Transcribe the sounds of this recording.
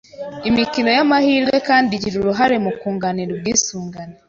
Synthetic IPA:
imicino̞jamahiːɾɡwe̞kaːndiɟiɾuɾuɦaɾe̞mukuːŋɡaniɾuɾwiːsuːŋɡane

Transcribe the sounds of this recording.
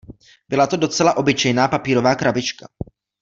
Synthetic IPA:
bɪlat̪o̞do̞t͡sɛlaʔo̞bɪt͡ʃɛjnaːpapiːɾo̞vaːkɾabɪt͡ʃka

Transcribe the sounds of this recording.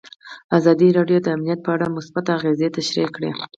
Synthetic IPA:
azɑd̪iɾɑɖjod̪əamnijat̪̚pəaɽamʊsbat̪aɣezet̪aʃɾikɽḛ

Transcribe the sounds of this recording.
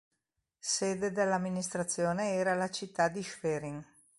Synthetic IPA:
seːd̪ed̪elːamːinist̪ɾat̪sːjoːneɛːɾalat͡ʃit̪ːad̪iʃfɛɾiŋ

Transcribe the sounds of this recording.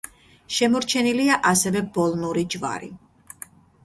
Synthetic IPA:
ʃɛmɔɾt͡ʃʰɛniliaʔasɛvɛbɔlˠnuɾid͡ʒva̰ɾḭ

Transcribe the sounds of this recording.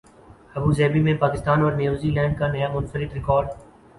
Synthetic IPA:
ɐbuːzɛːbimẽpaːkɪst̪aːnɔːɾnjuːziːlɛ̃ːɳɖ̚kanɐjamʊnfəɾɪt̪ɾɪkɔːɾɖ

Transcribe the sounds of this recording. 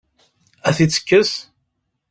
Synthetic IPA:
æθit͡sːə̥kːəs

